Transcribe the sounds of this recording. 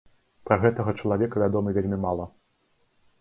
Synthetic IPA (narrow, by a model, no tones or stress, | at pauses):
pɾɐɣɛt̪ɐɣɐt͡ʂɐlˠavʲɛkɐvʲad̪ɔmɨvʲelʲmʲimalˠɐ